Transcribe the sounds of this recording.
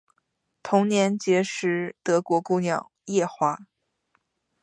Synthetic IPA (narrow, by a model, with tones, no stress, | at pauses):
t̪ʰʊ˧˥ŋnjɛ˧˥nt͡ɕjɛ˧˥ʂɻ̩˧˥t̪ɤ˧˥kwɔ˧˥ku˥˧njɑ˨˩ʊjɛ˥˧xwa˧˥